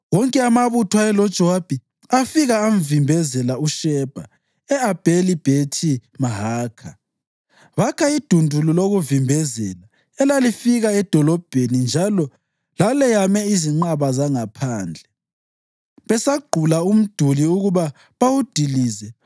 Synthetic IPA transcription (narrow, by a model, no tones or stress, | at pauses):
wɔŋkʼɛamaβutʰwaɛlɔd̥ʒ̥ʱɔwab̥ʱi | afiɣaːm̩vimbʱɛzɛlauʃɛb̥ʱa | ɛab̥ʱelib̥ʱetʰimaɦaːkʰa | βakʰaid̥ʱundʱululoɣuvimbʱɛzɛla | ɛlalifiɣaɛd̥ʱɔlɔb̥ʱenind͡ʒʱalɔ | lalɛjamɛiziŋ͡ǃaβazaŋapʰaːnd͡ɮʱɛ | βɛsaɡ͡ǃʱulaum̩d̥ʱuliuɣuβa | βawud̥ʱiliːzɛ